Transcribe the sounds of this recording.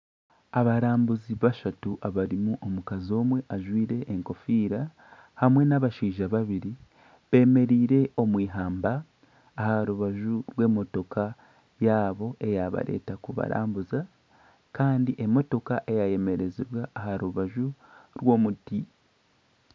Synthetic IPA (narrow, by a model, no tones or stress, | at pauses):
aβaɾaːmbuziβaʃatuʔaβaɾimuʔo̞mukazo̞ːmwe̞ʔaʒwiːɾe̞ʔːŋko̞fiːɾa | hamwe̞naβaʃiːʒaβaβiɾi | βe̞ːme̞ɾiːɾe̞o̞mwiːɦaːmbaː | haɾuβaʒuɾwe̞ːmo̞to̞ka | jaːβo̞ʔe̞jaβa̰ɾe̞̰ːtakuβa̰ɾa̰ːmbuza | kaːndiʔe̞mo̞to̞kaʔe̞jaje̞me̞ɾe̞ziβwaːhaɾuβaʒuɾwo̞ːmuti